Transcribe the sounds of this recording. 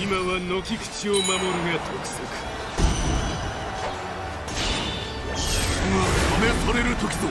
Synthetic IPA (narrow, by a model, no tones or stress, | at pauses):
imaβano̞kʲikɯ̟̥t͡ɕiomamoɾɯ̟ɡat̪ʰokɯ̟̥sokɯ̥ | imat̪ome̞t̪oɾe̞ɾɯ̟t̪o̞kʲid̪o